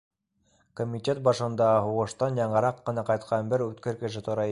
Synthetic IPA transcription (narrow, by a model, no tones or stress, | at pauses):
komʲitʲe̞t̪̚bɑʃɤ̆nd̪ɑɦuʁɤ̆ʃt̪ɑnjɑɴɤ̆ɾɑqːɤ̆nɑqɑjt̪qʰɑnbɘɾʉt̪kɘɾkɘ̆ʃɘt̪ŏɾɑ